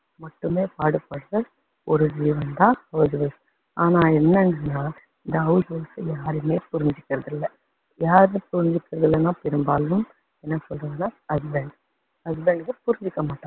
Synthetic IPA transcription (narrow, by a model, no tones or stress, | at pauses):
mɐʈːɯmeːpaːɽɯpːɐɽɯɾɐ | ɔɾɯd͡ʒiːʋɐnd̪ãːɐʋɯd͡ʒʋɐs | ʔaːnaːɛnːɐɳɖɐnːaː | ɪnd̪ɐɐʋɯd͡ʒʋɐsɯjaːɾɯmeːpʊɾɪɲd͡ʒɪkːɪɾɐðɪlːɐ | jaːɾnɯpʊɾɪɲd͡ʒɪkːɪɾɐðɪlɐnãːpɪɾɯmbaːlɯm | ɛnːɐsɔlɾɯɐnaːɐsbɛɳɖ | ɐsbɛɳɖʋɐpʊɾɪɲd͡ʒɪkːɐmaːʈːãː